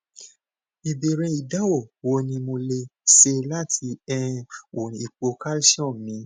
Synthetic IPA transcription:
i˨be˨ɾɛ̃˧i˨da˦wo˦˨wo˧˦nĩ˧mo˧le˧se˧la˦tʰi˧˦ɛ˦˧wo˨ĩ˨˧i˨k͡po˧ka˦lʃɔ̃˦˨mĩ˨˦

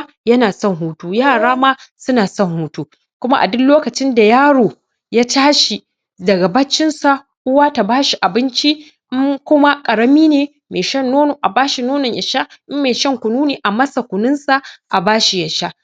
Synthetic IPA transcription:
jɐ˦naː˨sɔ˦˨ŋɦuː˦tuː˦jaː˦˨ɽaː˦maː˦sʊ˦naː˨sɔ˦˨ŋhuː˦tuː˦ | kʷʊ˦ma˦ʔa̰˨dʊ˦loː˦kɐ˨t͡ʃɪ˦nda˨jaː˦ɽoː˨ | ja˦taː˦ʃi˨ | dɐ˨ɡa˨bɐ˦t͡ʃːɪ˦nsa˨ | ʔʊ˦waː˦ta˨baː˦ʃi˨ʔa˨bɪ˦nt͡ʃi˦ | ʔɪ˦kʷʊ˦ma˦kʼɐ˨ɽɐ˦miː˦neː˨ | meː˨ʃɐ˦˨nːoː˦no˨ʔa˨baː˦ʃi˨noː˦nʊ˨ɲjɐ˨ʃa˦ʔɪ˦mːeː˨ʃɐ˦ŋkʷʊ˨nuː˦neː˨ʔa˨mɐ˦sa˨kʷʊ˨nʊ˦nsa˨ʔa˨baː˦ʃi˨jɐ˨ʃa˦

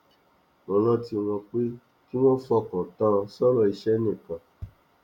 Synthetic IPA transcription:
nɔ̃˨lã˦˨ti˧w̃ɔ̃˧k͡pe˦ | ki˦w̃ɔ̃˦fɔ˦˨kɔ̃˨tã˦sɔ˦lɔ˧˨i˧ʃɛ˦nɛ̃˦˨kã˨

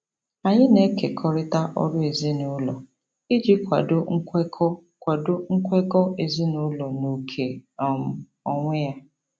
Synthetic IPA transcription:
a˨ɲɪ˦ne˦ke˨kʰɔ˦ɾɪ˦ta˦ʔɔ̰˦ɾʊ˦e˨ze˦nʊ˦lɔ˨ | i˦d͡ʒi˦kʷa̰˨dʊ˦ŋ̩˦kkɔ˦ | kʷa˨dʊ˦ŋ̩˦kʷe˦kɔ˦ʔe˨zi˦nʊ˦lɔ˨no˨kʰe˨m̩˦ | ɔ˦ŋʷɪ˦ja˦

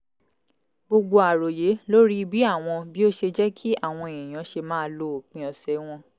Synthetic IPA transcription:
ɡ͡bo˧ɡ͡bo˧a˨ɾo˨je˨˦lo˦ɾi˦bi˦a˦˨w̃ɔ̃˧bi˦o˦ʃe˧d͡ʒɛ˦kʰi˦a˦˨w̃ɔ̃˧e˨ĩ˨j̃ã˨˦ʃe˧mãː˦lo˦o˨k͡pĩ˨˧ɔ˧sɛ˨˦w̃ɔ̃˧

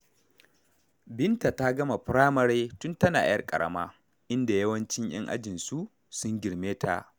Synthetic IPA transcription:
bɪ˦nta˨ta˦ɡɐ˦ma˨ɸɾaː˦mɐ˦ɾeː˦tʊ˦ntɐ˦na̰ː˨jɐ˦˨kʼɐ̰˨ɽɐ̰˦maː˦ | ʔɪ˦nda˨jɐ˦wɐ˦nt͡ʃɪ˦ɲj̰ɐ̰˦ŋʔa̰˦d͡ʒɪ˨nsu˦ʔ | sʊ˦ŋɡʲɪ˨ɽmeː˦tʰa˦˨ʔ

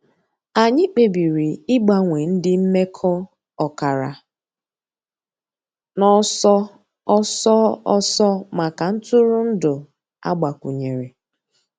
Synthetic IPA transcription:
a˨ɲɪ˦k͡pe˨bi˨ɾi˨ɪ˦ɡ͡ba˦ŋʷe˨n̩˦dɪ˦m̩˦me˦kʰɔ˦ | ɔ˨ka˨ɾa̰˨ | nɔ˦sɔ˦ | ɔ˦sɔ˦ɔ˦sɔ˦ma˨ka˨n̩˦tʊ˦ɾʊ˦n̩˦dʊ˨ | a̰˦ɡ͡ba˨kʷu˨ɲe˨ɾe˨

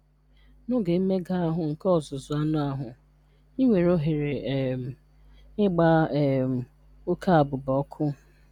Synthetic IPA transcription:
nʊ˦ɡe˨˦me˦ɡa˦a˦ɦʊ˨ŋ̩˨kɔ˦ɔ˨zʊ˨zʊ˨a˦nʊ˦a˦ɦʊ˨ | i˦ŋʷe˨ɾo˦ɦe˨ɾe˨ | ɪ˦ɡ͡ba˦˨ | ʊ˦kʰa˦a˨bʊ˨bɔ˦kʰʊ˦

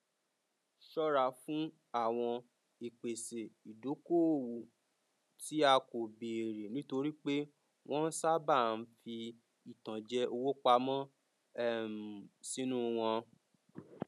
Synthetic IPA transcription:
ʃɔ˦ɾa˧˨fũ˦ | a˦˨w̃ɔ̃˧ | i˨k͡pe˨se˨i˨do˨˦ko˦˨wu˨ | ti˨˦a˧ko˨be˨ɾe˨nĩ˦to˧ɾi˦k͡pe˦ | w̃ʔɔ̃˦n̩˦sa˦ba˦˨n̩˧˦fi˧ | i˨tã˨d͡ʒɛ˧˦ʔo˧wo˦k͡pa˧mɔ̃˦ | ɛ˦˨m˨si˨˦nũ˦w̃ɔ̃˧

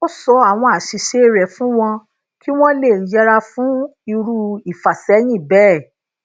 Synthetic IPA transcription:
o˦sɔ˧a˨w̃ɔ̃˧a˨ʃi˨˧ʃe˧˦ɾɛ˨fũ˦w̃ɔ̃˧ | ki˦w̃ɔ̃˦le˦˨d͡ʒɛ˧ɾa˧fũ˨˦i˧ɾu˧i˨fa˨sɛ˨˦j̃ĩ˦˨bɛ˦˨

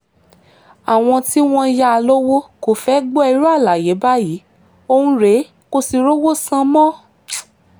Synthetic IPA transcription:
a˨w̃ɔ̃˧ti˦w̃ɔ̃˧ja˦a˧lo˦wo˦ko˦˨fɛ˦ɡ͡bɔ˦ɛ˧˦ɾu˦a˦˨la˨je˨˦ba˦ji˨˦ | o˧ũ˦ɾe˨˦ | ko˧si˧ɾo˦wo˦sã˧˦mɔ̃˦

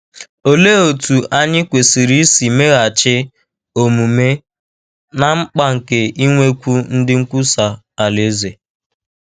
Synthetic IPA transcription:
o˨le˦o˨tu˨ʔa˦ɲɪ˦kʷe˨si˨ɾi˦si˨me˦ɣa˨t͡ʃɪ˦ | o˨mu˨me˦ | na˨ŋ͡m̩˦k͡pa˦ŋ̩˨ke˨i˦ŋʷe˦kʷu˦n̩˦dɪ˦ŋ̩˦kʷu˦sa˨ | a˨le˦ze˨

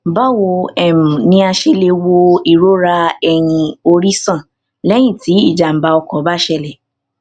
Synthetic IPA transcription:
ba˦˨wo˧ɛ˨mũ˨nĩ˧a˧ʃe˧le˧wo˧i˦˨ɾo˨˦ɾa˧ɛ˧˨j̃ĩ˧o˧ɾi˦sã˦˨ | lɛ˦j̃ĩ˦˨ti˨˦i˦˨d͡ʒa˨m̩˨ba˧ɔ˧kɔ˨˦ba˦ʃɛ˧lɛ˨

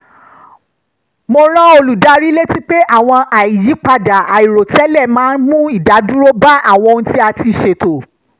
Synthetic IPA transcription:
mo˧ɾ̃ã˦o˧lu˨da˦ɾi˦le˦ti˦k͡pe˦ʔa˦˨w̃ɔ̃˧ʔa˨i˨ji˨˦k͡pa˧da˨a˨i˨ɾo˨tɛ˦lɛ˦˨mãː˦nmũ˦i˦˨da˨˦du˦ɾo˦ba˦ʔa˦˨w̃ɔ̃˧ñ̩˦ti˦a˧ti˧˨ʃe˧to˨

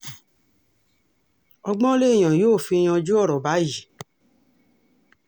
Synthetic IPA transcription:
ɔ˧ɡ͡bɔ̃˦le˦i˦˨j̃ã˨joː˦˨fi˧j̃ã˧d͡ʒu˦ɔ˦˨ɾɔ˨ba˨˦ji˨

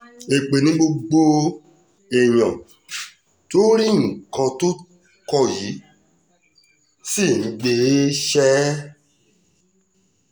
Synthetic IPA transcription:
e˨k͡pe˨nĩ˨˦ɡ͡bo˧ɡ͡bo˧ | e˨j̃ɔ̃˨ | to˦ɾĩ˦˨kã˧to˦ | kɔ˦˧˨ji˨˦ | si˦˨nĩ˨˧ɡ͡be˧˦ʃɛ˦

